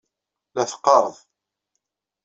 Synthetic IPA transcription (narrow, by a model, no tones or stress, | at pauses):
læθə̥qːɑɾˤəðˤ